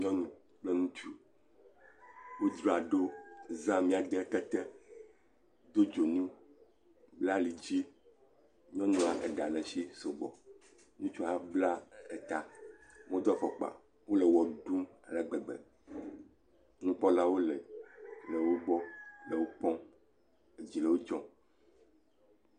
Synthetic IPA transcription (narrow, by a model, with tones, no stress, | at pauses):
ɲɔ̃˦nũ˨ | k͡plɛ˦ŋũ˦t͡ʃu˦ | wo˦d̪ɾo˨a˨ɖo˦zã˦mĩ˦a˨d̪ɛ˦t̪ɛ˦t̪ɛ˦ | d̪o˦d͡ʒo˨nũ˦ | bla˦li˨d͡ʑi˦ | ɲ˦ɔ̃˦nũ˦a˨ʔɛ˨ɖa˨lɛ˨ʃi˦so˨ɡ͡bɔ̰˨ | nũ˦t͡ʃu˦a˦bla˦ɛ˨t̪a˨mõ˦d̪ɔ˦fɔ˨k͡pa̰˨ | wo˦lɛ˨wɔ˨ɖu˦ma˨lɛ˨ɡ͡bɛ˨ɡ͡bɛ̰˨ | nũ˦k͡pɔ˦la˦wo˦lɛ˨lɛ˨wo˦ɡ͡bɔ˦le˨wo˦k͡pɔ̃˦ | e˨d͡ʑi˨lɛ˨wo˦d͡ʒɔ̃˦